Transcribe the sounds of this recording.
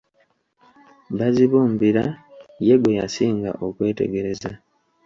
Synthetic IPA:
βaziβuːmbiɾaje̞ɡwe̞ja̰siːŋɡa̰ʔo̞kwe̞ːte̞̰ɡe̞ɾe̞za

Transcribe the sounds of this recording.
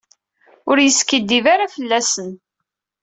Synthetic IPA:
ʊɾjəskəd̪ːivaɾafəlːæsən

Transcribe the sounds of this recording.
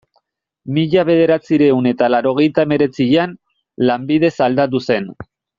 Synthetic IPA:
miʎaβe̞ð̞e̞ɾat͡siɾe̞une̞t̪alaɾo̞ɣ̞e̞jt̪aeme̞ɾe̞t͡siʎan | lambið̞e̞sald̪at̪̬use̞n

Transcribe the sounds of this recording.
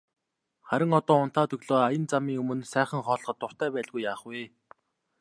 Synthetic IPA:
χæɾʲɪ̆ŋɔt̪ɔːʊnt̪aːt̪ɵɣɮoːajə̆nt͡samiːŋɵmɵ̆nsæːχə̆ŋχɔːɮ̆χɞ̆t̪ːʊr̥t̪æːpæːɮɣujːaːχwiː

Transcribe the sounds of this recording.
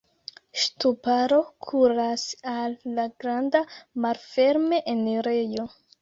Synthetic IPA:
ʃtupaɾo̞kʰuɾasalːaɡɾandamalfe̞ɾme̞ʔeneɾejo

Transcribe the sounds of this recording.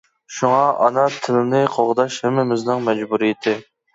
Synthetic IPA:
ʃuŋɑʔɑnɑt̪ʰɪlɪnɪqʰoʁd̪ɑʃhɛmːɪmɪznɪŋmɛd͡ʒbuɾijɪt̪ʰɪ

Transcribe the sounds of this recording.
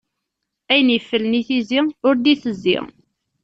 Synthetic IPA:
æjənifːəlniθiziʊɾd̪iθəzːḭ

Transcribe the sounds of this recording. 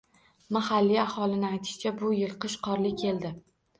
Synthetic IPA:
mahalːiahɒlˠɪnɪajt̪ʰɪ̥ʃt͡ʃʰabʊjɪlˠqɨʃqʰɒɾlɪkʲʰe̞ld̪ɪ

